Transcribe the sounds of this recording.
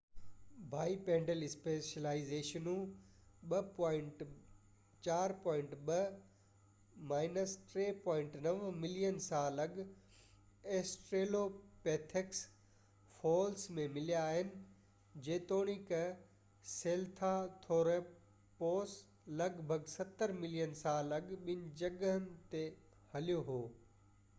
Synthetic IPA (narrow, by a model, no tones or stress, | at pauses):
bʱaːipɛ̃ːɳɖəlɪspeːʃɐlaːizeːʃənũɓɐpɔ̃ːɪɳʈ | t͡ɕaːɾpɔːɪ̃ɳʈɓɐ | maːɪnəsʈɾeːpɔ̃ːɪ̃ɳʈnɐʋmɪlijənsãːlɐɡ | eːsʈɾeːlopeːt̪ʰeks | foːlsmẽmɪlijaːɦɪnɪ̆ | d͡ʑeːt̪oːɽ̃ikɐ | seːlt̪ʰat̪ʰoːɾe | poːs | lɐɡbʱɐɡsɐt̪ːəɾmɪlijənsaːlɐɡɓɪn̆d͡ʑɐɡɦənɪ̆t̪e | hɐlijoɦoː